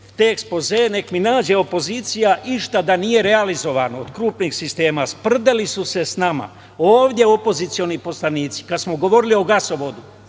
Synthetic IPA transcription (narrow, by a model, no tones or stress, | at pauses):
t̪eekspo̞zene̞kminaːd͡ʒe̞o̞po̞ziːt̪sijaʔiʃt̪ad̪anije̞ɾe̞alizo̞ʋanood̪kɾuːpnixsist̪e̞ːmaspr̩d̪elisuse̞snama̰ | oːʋd̪ʲje̞o̞po̞zit̪sio̞nipo̞slˠaniːt̪si̥kad̪smoɡo̞ʋo̞ɾilio̞ɡaso̞ʋo̞d̪u